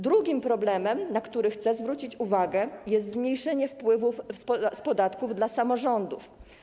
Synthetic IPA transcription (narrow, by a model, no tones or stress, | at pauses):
d̪ɾuɡʲimpɾɔblɛmɛmnakt̪uɾɘxt̪sɛzvɾut͡ɕit͡ɕuvaɡɛjɛst̪zmɲejʂɛɲɛfpwɘvufspspɔd̪at̪kuvd̪lasamɔʐɔnd̪ṵf